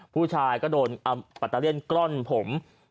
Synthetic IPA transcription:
pʰuː˥˩t͡ɕʰaː˧jkɔː˥˩doː˧nʔa˧pa˨˩t̪ːa˧i˥˩ənkɾo˥˩npʰo˩˦m

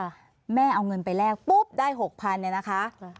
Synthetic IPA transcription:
mɛː˥˩ʔa˧wŋɤ˧npa˧jlɛː˥˩k̚pu˦˥˩p̚daː˥˩jɦo˨˩k̚pʰa˧nːi˧˩na˦˥kʰa˦˥ʔ

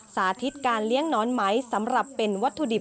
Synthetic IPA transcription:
saː˩˦t̪ʰi˦˥t̪̚kaː˧nli˦˥əŋnɔː˦˥nma˦˥jsa˩˦mɾa˨˩pːe˧nwa˦˥t̪ʰːu˧di˨˩

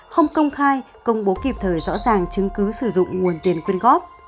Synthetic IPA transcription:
xə˧wŋ͡mkə˧wŋ͡mxaː˧j | kə˧wŋ͡mɓo˨˦ki˨˩p̚t̪ʰəː˨˩jzɔ̰˧˥zaː˨˩ŋt͡ɕɨ˨˦ŋkɨ˨˦sɨ˧˩zʊ̰˧˨ŋ͡mŋu˨˩ənt̪i˨˩ənkwi˧ənɣɔ˦˥p̚

